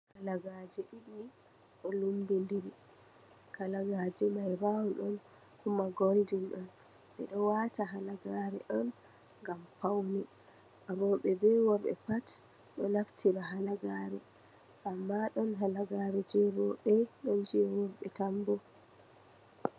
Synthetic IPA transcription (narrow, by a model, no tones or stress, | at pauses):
kalaɡad͡ʒɛʔiɓi | ɗɔlumbindiɾi | kalaɡaːd͡ʒɛmajbawɔɗɔn | humaɡoldinɗɔn | ɓɛ̰ɗɔwataɦalaɡaɾɛʔɔn | ŋɡampawnɛ | ʔaɾɔɓɛbɛwɔɾɓɛ̰pat | ɗɔnaftʰiɾaɦalaɡaːɾɛ̰ | ʔamːaɗɔnɦalaɡaɾɛd͡ʒɛɾɔɓɛɗɔnd͡ʒɛwɔɾɓɛtambɔ